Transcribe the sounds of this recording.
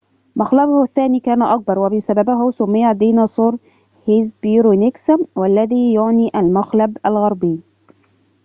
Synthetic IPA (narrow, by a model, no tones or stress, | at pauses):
maxlabʊhʊθːaːniːkaːnaʔɑk̚bɑɾˤwabɪsababaɦʊsʊmːɪjːad̪iːnasˤuːɾ | hɪzbiɾunɪkswalːaæðiːjʊʕniːʔalmaxlabalɣɑɾˤbɪː